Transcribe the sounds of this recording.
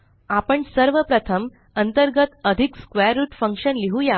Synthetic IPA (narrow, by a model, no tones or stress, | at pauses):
apəɳsəɾʋəpɾət̪ʰəm | ənt̪əɾɡət̪əd̪ʱikskʋeɾuʈfə̃ŋkɕənliɦuja